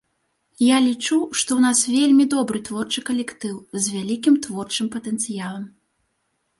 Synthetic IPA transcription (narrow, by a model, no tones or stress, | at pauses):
jalʲit͡ʂuʂt̪ɔwnasvʲelʲmʲid̪ɔbɾɨt̪vɔrt͡ʂɨkɐlʲɛkt̪ɨwzʲvʲalʲikʲimt̪vɔrt͡ʂɨmpɐt̪ɛnt̪sɨjalˠɐm